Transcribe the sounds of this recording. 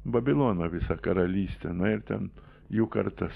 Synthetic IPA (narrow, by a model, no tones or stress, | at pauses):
bɐbʲɪlˠoːnɐʋʲɪsɐkɐɾɐlʲiːsʲt̪ʲɛnɐɪɾt̪ʲɛn | juːkɐɾt̪ɐs